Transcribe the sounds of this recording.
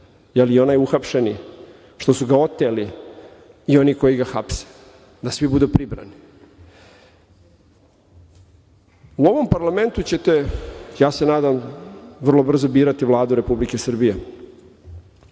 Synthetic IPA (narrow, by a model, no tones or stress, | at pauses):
jelio̞naːjuxapʃeni | ʃt̪o̞suɡao̞t̪ːeli | io̞niːko̞jiɡaxapse̥ | d̪asʋibud̪upɾibɾa̰ni | uo̞ʋo̞mpaɾlame̞nt̪ut͡ɕe̞t̪e̞jaːse̞naːd̪amʋr̩lo̞br̩zo̞biːɾat̪iʋlˠaːd̪uɾe̞publike̞sr̩bije